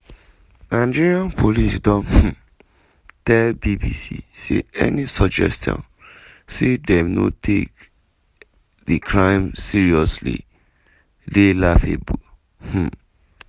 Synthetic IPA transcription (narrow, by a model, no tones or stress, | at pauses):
ãnd͡ʒiɾiãnpʰolisdɔ̃h̩ | tɛlbibisḭsḛɛ̰nisɔd͡ʒɛ̰stʰɔ̰̃n | sedɛmnotʰek | dikʰɹãɪ̃msiɹiɔslḭ | delafebu | h̩